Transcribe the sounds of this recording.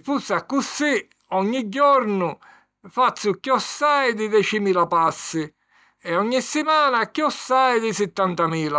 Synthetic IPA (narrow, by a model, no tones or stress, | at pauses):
fusːakːusːi | ɔɲːid͡ʒːɔɾnʊ | fat̪sːʊkːiɔsːajd̪id̪ɛt͡ʃimiːlapasːɪ | ɛɔɲːisːɪmaːnakːiɔsːajd̪ɪsɛt̪ːant̪amiːla